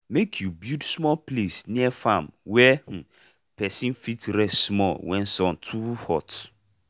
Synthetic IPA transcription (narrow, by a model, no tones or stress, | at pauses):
mekʰjubjudsmɔlplesnĩɛfãmwɛh̩ | pʰɛsĩnfitɾɛsmɔlwɛ̃nsɔ̃ntʰuhɔt